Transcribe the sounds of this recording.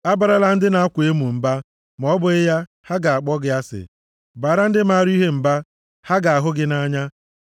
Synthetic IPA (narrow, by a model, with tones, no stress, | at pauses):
a˦ba˨ɾa˦la˦n̩˦dɪ˦na˦a˦kʷe˦mu˨m̩˨ba˦ | m˨ɔ˦bʊ˨ɪ˦ja˦ | ha˦ɡa˨a˨k͡pɔ˦ɡɪ˨a˦sɪ̰˨ | ba˨ɾa˦n̩˦dɪ˦ma˦ɾi˦ɦe˦m̩˨ba˦ | ha˦ɡa˨a˨ɦʊ˦ɡɪ˦na˦ɲa˦